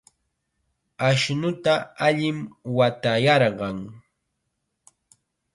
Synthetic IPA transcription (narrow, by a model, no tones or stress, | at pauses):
aʃnʊt̪aaʎɪmwat̪ajɑɾɢɑŋ